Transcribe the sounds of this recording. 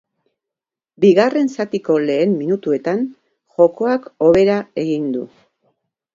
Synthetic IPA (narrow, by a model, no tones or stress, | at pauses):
biɣare̞nsat̪iko̞le̞ːmminut̪ue̞t̪an | ʝo̞ko̞ako̞βe̞ɾae̞ɣind̪ṵ